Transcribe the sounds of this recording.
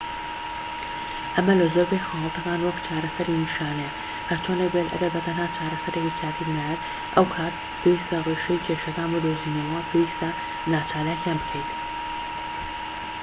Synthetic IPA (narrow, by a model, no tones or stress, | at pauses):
ʔɐmɐlɐzoɾbekhɑwlˠɐt̪ʰɐkaːnwɐkt͡ʃʰaːɾɐsɐɾiniʃaːne | hɐɾt͡ʃʰoːnek̚bet̪ɐ̰ɡɐɾbɐt̪ʰɐnhaːt͡ʃʰaːɾɐsɐɾekikʰaːt̪ʰibnajɛt̪ | ʔɐwkʰaːt̪ | pʰeːwist̪ɐreʃɐjkʲʰeːʃɐkaːnbod̪oziːnɐwɐpʰeːwiːst̪ɐ | naːt͡ʃaːlaːkjaːnbɨkʰejt̪